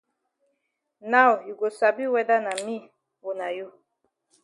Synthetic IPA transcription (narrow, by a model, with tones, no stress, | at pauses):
na˦wju˨ɡo˨sa˨bi˦wɛ˦da˦na˨mi˦˨ | wo˨na˨ju˦˨